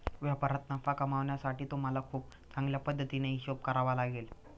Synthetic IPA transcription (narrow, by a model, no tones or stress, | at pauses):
ʋjapəɾat̪nafakəmaʋɳjasaʈiːt̪om̤əlakʰuːp̚t͡sãŋɡljapəd̪ʱːət̪ineiɕop̚kəɾaʋalaɡel